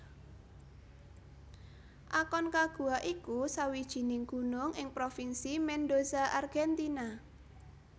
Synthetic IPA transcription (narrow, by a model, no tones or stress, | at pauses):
ʔakɔnkaɡ̥ṳaʔikusawid̥ʒ̥i̤nɪŋɡ̥ṳnʊŋɪŋpɾofinsimɛnɖozaʔarɡ̥ɛnt̪ina